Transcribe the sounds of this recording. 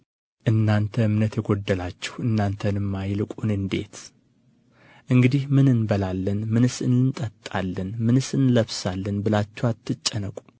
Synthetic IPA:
ʔɨnːant̪ʰəmɨnət̪ʰəɡo̞d̪ːəlat͡ʃːɛ̥hɨnːant̪ʰənɨmːajlɨkʼunɨnd̪e̞t̪ | ʔɨŋɡɨd̪ihmɨnɨnbəlalːənmɨnɨsɨnɨnt̪ʼət̪ʼːalːənmɨnɨsɨnləβsalːənbɨlat͡ʃːɛwat̪ʰːɨt͡ʃʼːɛnəkʼu̥

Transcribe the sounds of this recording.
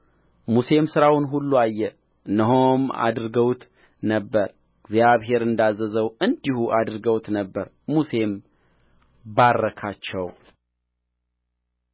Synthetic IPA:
muse̞msɨɾawnɦulːuajːɛ | ɨnːəɦoma̰d̪ɾɡəwt̪ | nəbːəɾ | ɡzjaβɦe̞ɾɨnd̪azːəzəwɨnd̪ihuʔad̪ɾɡəwt̪nəbːəɾ | muse̞m | barːəkʰat͡ʃːɛw

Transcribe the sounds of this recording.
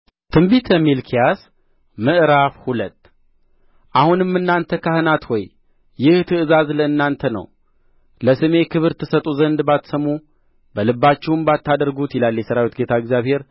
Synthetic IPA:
t̪ʰɨmbit̪ʰəmilkʰijas | mɨʔɨɾafhulət̪ː | ʔahunɨmːɨnːant̪ʰəkʰahɨnat̪wɔjː | ɪht̪ʰɨɨzazləɨnːant̪ʰənə̰w | ləsɨme̞kʰɨβɨɾt̪ʰːɨsət̪ʼuzənd̪bat̪səmːu | bəlɨbːat͡ʃːɛwɨmbat̪ʰːad̪əɾɡut̪jɪlalːjɛsəɾawit̪ɡet̪ʰaɡzʲjaβhe̞ɾ

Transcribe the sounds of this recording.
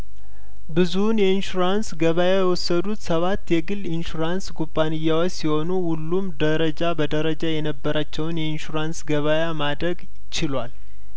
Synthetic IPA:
bɨzunjɛinʃuɾansɡəβajajɛwɔsːəd̪ut̪səβat̪ːjɛɡɨlɪnʃuɾansɡubʼːanɨjːawot͡ʃːsiho̞nuhulːumd̪əɾəd͡ʒabəd̪əɾəd͡ʒajɛnəbːəɾʔat͡ʃːɛwnjɛinʃuɾansɡəβajamad̪ɾəɡ | t͡ʃɪlwal

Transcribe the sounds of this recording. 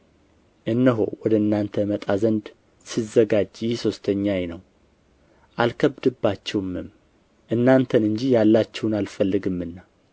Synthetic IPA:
ʔɨnːəɦo̞̰wɔd̪əɨnːant̪ʰəmət̪ʼazənd̪ | sɨzəɡad͡ʒjɪso̞st̪ʰəɲːajenəw | ʔalkʰəbd̪ɨbːat͡ʃːɛwmɨm | ʔɨnːant̪ʰənɨɲd͡ʒijalːat͡ʃːɛwʊnalfəlːɨɡɨmːɨnːa

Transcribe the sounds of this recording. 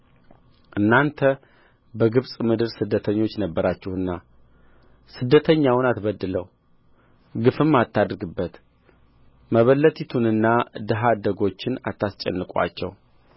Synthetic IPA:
ʔɨnːant̪ʰə | bəɡɨβsʼmɨd̪ɨɾsɨd̪ːət̪ʰəɲːo̞t͡ʃːnəbːəɾat͡ʃːɛhɨnːa | sɨd̪ːət̪ʰəɲːawnat̪βəd̪ːɨləw | ɡɨfɨmːat̪ːad̪ɾɡɨbːət̪ | məβəlːət̪ʰit̪ʰunɨnːad̪ɨɦad̪əɡo̞t͡ʃːɪna̰t̪ːast͡ʃʼɛ̰nːɨkʼa̰t͡ʃːɛ̰w

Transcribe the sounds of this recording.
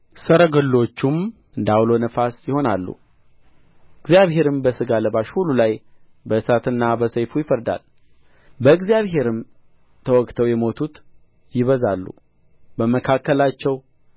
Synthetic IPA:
səɾəɡəlːo̞t͡ʃːum | ɨnd̪awlo̞nəfasjɪho̞nalːṵ | ɨɡzijaβɦe̞ɾɨmbəsɨɡaləβaʃhulːulaj | bəɨsat̪ɨnːabəsəjfujɪfəɾd̪a̰l | bəɨɡzijaβhe̞ɾɨm | t̪ʰəwɔkt̪ʰəwjɛmo̞t̪ʰut̪ | jɪβəzalːṵ | bəməkʰakːəlat͡ʃːɛw

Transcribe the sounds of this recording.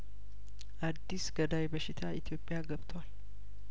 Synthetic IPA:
ʔad̪ːisɡ̥əd̪ajbəʃɪt̪ʰaʔit̪ʰijo̞pʼːjaɡəβt̪ʰəwal

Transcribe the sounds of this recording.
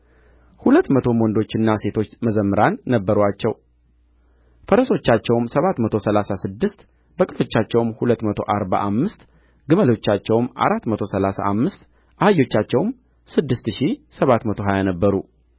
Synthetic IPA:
hulət̪ːmət̪ʰo̞mwɔnd̪o̞t͡ʃːɨnːase̞t̪ʰo̞t͡ʃːməzəmːɨɾanːəbːəɾat͡ʃːɛw | fəɾəso̞t͡ʃːat͡ʃːɛwmsəβat̪mət̪ʰo̞səlasasɨd̪ːɨst̪ | b̥əkʼɨlo̞t͡ʃːat͡ʃːɛwmhulət̪ːmət̪ʰo̞̰ʔaɾβa̰ʔamːɨst̪ | ɡɨməlo̞t͡ʃːat͡ʃːɛwmʔa̰ɾat̪ːmət̪ʰo̞səlasa̰ʔamːɨst̪ | ʔahajo̞t͡ʃːat͡ʃːɛwm | sɨd̪ːɨst̪ʃisəβat̪mət̪ʰo̞ɦajanəbːəɾu

